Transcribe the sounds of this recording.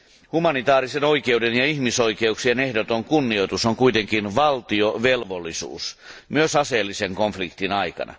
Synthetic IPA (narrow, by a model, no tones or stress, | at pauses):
humɑnit̪ɑːɾisenoike̞udenjɑiçmiso̞ikeuksiene̞hdot̪oŋkunːio̞jt̪usoŋkuit̪eŋkinʋɑlt̪ioʋelʋolːisṵːsmyøsɑseːlːiseŋkoɱflikt̪inɑjkɑ̰nɑ̰